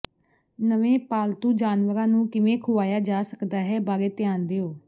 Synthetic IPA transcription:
nəʋẽːpaːlt̪ũːd͡ʒaːnʋəɾãːnũːkɪʋẽːkʰʊʋaːjaːd͡ʒaːsəkd̪aːɦɛːbaːɾeːt̪ɪjaːnd̪eːoː

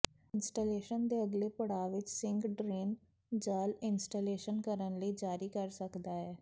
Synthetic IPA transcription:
ɪnsʈaːleːʃənd̪eːəɡleːpəɽaːʋɪt͡ʃsɪ̃ŋɡɖɾeːn | d͡ʒaːlɪnsʈaleːʃənkəɾənləiːd͡ʒaːɾiːkəɾsəkd̪aːɦɛː

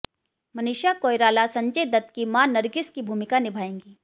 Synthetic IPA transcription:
mɐnɪʃakoːjɾaːlasɐ̃ɲt͡ʃəd̪ɐt̪kimãnɐɾɡɪskibʱuːmɪkanɪbʱaːẽːŋɡiː

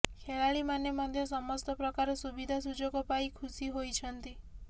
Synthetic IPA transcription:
kʰeɭaɭimanemɔd̪ʱjɔsɔmɔst̪ɔpɾɔkaɾesubid̪ʱasud͡ʒoɡɔpaikʰusiɦojt͡ʃʰɔnt̪i

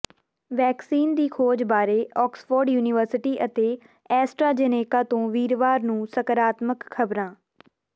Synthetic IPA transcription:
ʋɛːksiːnd̪iːkʰoːd͡ʒbaːɾeːɔːksfoːɾɖjuːnɪʋəɾsɪʈiːʔət̪eː | ɛːsʈɾaːd͡ʒeːneːkãːt̪õːʋiːɾʋaːɾnũːsəkəɾaːt̪məkkʰːəbɾãː

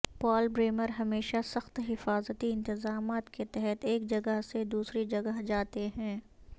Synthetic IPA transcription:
pɔːlbɾeːməɾɦɐmeːʃasɐxt̪ɦɪfaːzət̪iɪ̃nt̪ɪzaːmaːt̪ket̪ɛɦɛt̪eːk̚d͡ʒɐɡəɦsed̪uːsɾid͡ʒɐɡəɦd͡ʒaːt̪eɦɛ̃ː

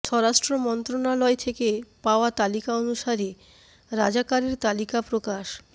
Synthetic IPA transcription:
ʃʰɔɾaʃʈɾomɔnt̪ɾonalɔet̪ʰekepaoat̪alikaonuʃaɾi | ɾad͡ʑakaɾeɾt̪alikapɾokaʃ

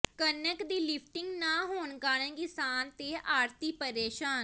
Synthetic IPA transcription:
kənəkd̪iːlɪpʰʈɪŋɡnaːɦoːnkaːɾə̃ːkɪsaːnt̪eːʔaːɾt̪iːpəɾeːʃaːn

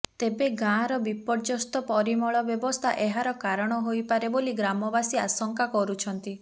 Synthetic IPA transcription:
t̪ebeɡãɾɔbipɔɽd͡ʒɔst̪ɔpɔɾimɔɭɔbjɔbɔst̪ʰaʔeɦaɾɔkaɾɔɽ̃ɔɦojpaɾeboliɡɾamɔbasiasɔŋkakɔɾut͡ʃʰɔnt̪i

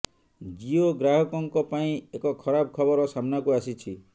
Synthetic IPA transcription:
d͡ʒioɡɾaɦɔkɔŋkɔpaĩekɔkʰɔɾabɔkʰɔbɔɾɔsamnakuasit͡ʃʰi

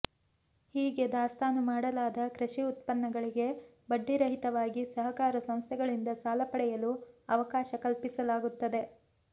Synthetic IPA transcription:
hiːɡe̞d̪aːst̪aːnumaːɽɐlaːd̪ɐkɾɐʃiut̪pɐnːɐɡɐɭiɡe̞ | bɐɖːiɾɐɦit̪ɐʋaːɡisɐɦɐkaːɾɐsɐm̃st̪ʰɛɡɐɭind̪ɐsaːlɐpɐɽɛjɐluɐʋɐkaːʃɐkɐlpisɐlaːɡut̪ːɐd̪e̞

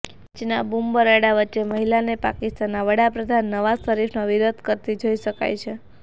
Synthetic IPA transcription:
d͡ʒenabumbəɾaɽaʋətːʃeməɦilanepa̰kist̪anːaʋəɽapɾəd̪ʱanːəʋazt̪əɾifʰnaʋiɾod̪ʱkəɾt̪id͡ʒoiʃəka̰jt͡ʃʰe

